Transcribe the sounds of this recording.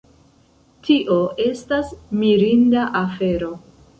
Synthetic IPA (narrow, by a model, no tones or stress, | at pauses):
tʰiʔo̞ʔe̞stasmiɾindaʔafe̞ɾo̞